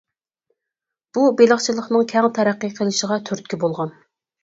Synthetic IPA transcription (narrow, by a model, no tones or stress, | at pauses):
b̥ubeləχt͡ʃʰilˠəχnɨŋkʲʰɛŋt̪ʰɛɾæqːəqʰəlˠɨʃəʁɑt̪ʰyɾt̪̚kʲibolˠʁɑn